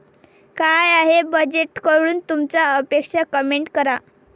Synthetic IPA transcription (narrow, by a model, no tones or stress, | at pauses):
kajaɦebəd͡ʑeʈkəɾuːnt̪umt͡saəpekʂakəmeɳʈkəɾa